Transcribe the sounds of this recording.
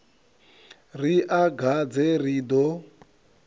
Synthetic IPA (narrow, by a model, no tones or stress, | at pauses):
riʔaɡʱad͡zɛridɔ